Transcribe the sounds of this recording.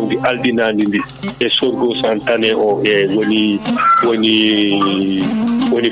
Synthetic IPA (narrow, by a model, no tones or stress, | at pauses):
ndiʔaldinaːndindi | ɛsɔɾɡɔsantanɛʔɔʔɛwoniwoni | woni